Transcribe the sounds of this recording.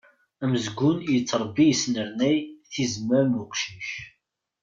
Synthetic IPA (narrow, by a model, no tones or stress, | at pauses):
æməzɡʷʊnjət͡sːɾˤbːijsnəɾnæjθizməɾmuqʃiç